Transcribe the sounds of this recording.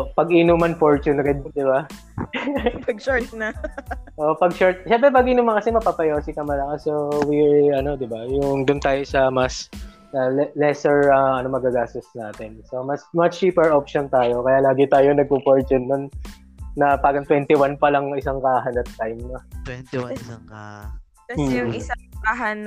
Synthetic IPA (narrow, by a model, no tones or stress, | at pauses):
pɐɡʔɪnumɐnfoɹt͡ʃʊnɾɛd̪d̪ɪba | pɐɡʃoɹt̪̚nɐʔopɐɡ̚ʃoɹt̪̚ʃɛmpɾɛpaːɡɪnʊmɐkɐsɛmɐpapɐjoːsɪkɐmɐlɐkasowiɛɹɐno̞d̪ɪbajʊŋd̪ʊnt̪aːjosɐmɐs | ɐlɛlɛsɛɹɐʔɐno̞mɐɡaɡaːst̪ʊsnaːt̪ɛnso̞mɐsmɐst͡ʃiːpɛɹʔopʃont̪aːjo̞kɐjalaːɡɪt̪aːjonɐɡ̚popoɹt͡ʃ̪ʊnːonː | ɐpaːɡɐŋt̪wɛnt̪ɪwanpɐlɐŋɪsaŋkaːɦɐnɐt̪ːajmnot̪wɛnt̪waŋa | kɐːjʊŋɪsakaɦan